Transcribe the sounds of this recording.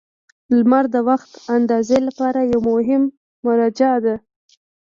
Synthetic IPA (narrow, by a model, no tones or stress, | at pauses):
lmaɾd̪əwaxt̪and̪ɑzelapɑɾajawmʊɦɪmː | ʊɾɑd͡ʒad̪a